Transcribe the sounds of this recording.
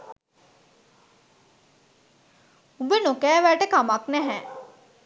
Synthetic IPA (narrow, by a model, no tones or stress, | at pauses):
ubənokɛːʋæʈəkamaknɛɦɛ